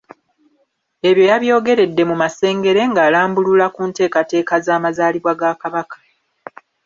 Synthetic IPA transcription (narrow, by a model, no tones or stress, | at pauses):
e̞βjo̞jaβjo̞ːɡe̞ɾe̞dːe̞mumase̞ːŋɡe̞ɾe̞ŋɡaːlaːmbululakuːnte̞ːkate̞ːkazaːmazaːliβwaɡakaβakḁ